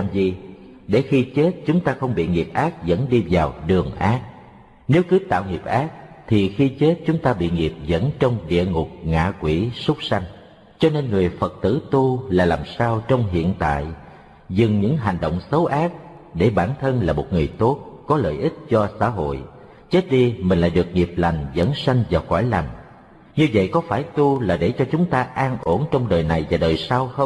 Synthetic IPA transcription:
mzi˨˩ | ɗe˧˩xi˧t͡ɕe˦˥t̚t͡ɕʊ˨˦ŋ͡mt̪aː˧xə˧wŋ͡mɓḭ˧˨ŋi˨˩əp̚ʔaː˦˥k̚zə̰˧˥nɗi˧vaː˨˩wɗɨ˨˩əŋʔaː˦˥k̚ | ne˨˦wkɨ˨˦t̪a̰ː˧˨wŋi˨˩p̚ʔaː˦˥k̚t̪ʰi˨˩xi˧t͡ɕe˦˥t̚t͡ɕʊ˨˦ŋ͡mt̪aː˧ɓḭ˧˨ŋi˨˩əp̚zə̰˧˥nt͡ɕɔ˧wŋ͡mɗḭ˧˨əŋʊ˨˩k͡p̚ŋa̰ː˧˨kwi˧˩sʊ˦˥k͡p̚sa˧jŋ̟ | t͡ɕɔ˧ne˧nŋɨ˨˩əjfə˨˩t̚t̪ɨ̰˧˥t̪u˧laː˨˩laː˨˩msaː˧wt͡ɕɔ˧wŋ͡mɦḭ˧˨ənt̪a̰ː˧˨j | zɨ˨˩ŋɲɨ̰˧˥ŋɦa˨˩jŋ̟ɗo̰˧˨wŋ͡msə˨˦wʔaː˦˥k̚ | ɗe˧˩ɓaː˧˩nt̪ʰə˧nlaː˨˩mo˨˩t̚ŋɨ˨˩əjt̪o˦˥t̚kɔ˨˦lə̰ː˧˨jʔi˦˥t̚t͡ɕɔ˧sa̰ː˧˥ɦo̰˧˨j | t͡ɕe˦˥t̚ɗi˧mi̟˨˩la̰ː˧˨jɗɨ˨˩ək̚ŋi˨˩əp̚la˨˩jŋ̟zə̰˧˥nsa˧jŋ̟vaː˨˩wxwaː˧˩jla˨˩ŋ̟ | ɲɨ˧və̰˧˨jkɔ˨˦faː˧˩jt̪u˧laː˨˩ɗe˧˩t͡ɕɔ˧t͡ɕʊ˨˦ŋ͡mt̪aː˧ʔaː˧nʔo˧˩nt͡ɕɔ˧wŋ͡mɗəː˨˩jna˨˩jvaː˨˩ɗəː˨˩jsaː˧wxə˧w

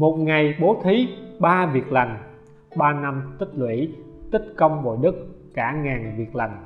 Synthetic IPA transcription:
mo˨˩t̚ŋa˨˩jɓo˨˦t̪ʰi˨˦ɓaː˧vi˨˩ək̚la˨˩jŋ̟ | ɓaː˧na˧mt̪ï˦˥k̟̚lwḭ˧˥˨ | t̪ï˦˥t̚kə˧wŋ͡mɓo̰˧˨ɗɨ˦˥k̚ː | aː˧˩ŋaː˨˩nvi˨˩ək̚la˨˩jŋ̟

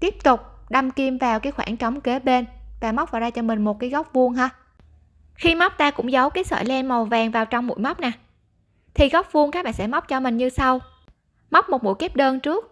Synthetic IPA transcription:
t̪i˦˥əp̚t̪ʊ˨˩k͡p̚ɗa˧˩mki˧mvaː˨˩wkaː˨˦jxwaː˧˩ŋt͡ɕɔ˨˦wŋ͡mke˨˦ɓe˧nvaː˨˩ma˦˥k͡p̚vaː˨˩zaː˧t͡ɕɔ˧mï˨˩ŋ̟mo˨˩t̚kaː˨˦jɣɔ˦˥p̚vu˧əŋɦaː˧ | xi˧ma˦˥wk͡p̚t̪aː˧kʊ̰˧˥ŋ͡mzə˨˦wkaː˨˦jsə̰ː˧˩jlɛ˧nma˨˩wvaː˨˩ŋvaː˨˩wt͡ɕɔ˧wŋ͡mmṵ˧˥˨jma˦˥k͡p̚naː˨˩ | t̪ʰi˨˩ɣɔ˦˥wp̚vu˧əŋkaː˦˥k̚ɓa̰ː˧˨nsɛ̰˧˥ma˦˥k͡p̚t͡ɕɔ˧mï˨˩ŋ̟ɲɨ˧sa˧w | ma˦˥wk͡p̚mo˨˩mṵ˧˥˨jke˦˥p̚ɗəː˧nt͡ɕɨ˦˥ək̚

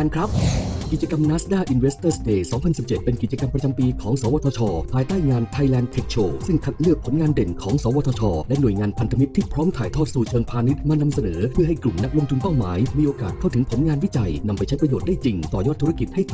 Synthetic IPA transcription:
a˧nkʰɾa˦˥p̚ki˨˩t̪̚t͡ɕa˧ka˧mnaː˦˥sdaː˥˩ʔi˧nwe˦˥st̪ɤː˥˩st̪eː˧˩sɔː˩˦ŋpʰa˧nsi˨˩p̚t͡ɕe˨˩t̪̚pe˧nki˨˩t͡ɕa˧ka˧mpɾa˧t͡ɕa˧mpiː˧kʰɔː˩˦ŋsɔː˨˦wɔː˧t̪ʰɔ˧t͡ɕʰɔː˧pʰaː˧jt̪aː˥˩jŋaː˧nt̪ʰa˧jlɛː˧nt̪ʰe˦˥k̚t͡ɕʰoː˧˩sɯ˥˩ŋkʰa˨˩t̪̚lɯ˥˩ək̚pʰo˩˦nŋaː˧nde˨˩nkʰɔː˩˦ŋsɔː˩˦wɔː˧t̪ʰɔː˧t͡ɕʰɔː˧lɛ˦˥nu˨˩əjŋaː˧npʰa˧nt̪ʰa˧mi˦˥t̪ʰːiː˥˩pʰɾɔː˦˥mt̪ʰaː˨˩jt̪ʰɔː˥˩t̪̚suː˨˩t͡ɕʰɤː˧npʰaː˧ni˦˥t̪̚maː˧na˧msa˧nɤː˩˦pʰɯ˥˩ɦa˥˩jklu˨˩mna˦˥k̚lo˧ŋt̪u˧npa˥˩wma̰ː˩˦jmiː˧ʔoː˧kaː˨˩t̪̚kʰa˥˩wt̪ɯ˩˦ŋpʰo˩˦nŋaː˧nwi˦˥t͡ɕa˧jna˧mpa˧jt͡ɕʰjpɾa˧joː˨˩t̪̚daː˥˩jt͡ɕi˧ŋt̪ɔː˨˩jɔː˥˩t̪ʰːu˦˥ɾa˥ki˨˩t̪̚ha˥˩j

